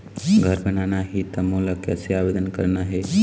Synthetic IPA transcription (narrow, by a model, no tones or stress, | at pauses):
ɡʱəɾbənanaɦit̪ɐmoːlakɛ̰seaːʋed̪ənkə̰ɾnaɦe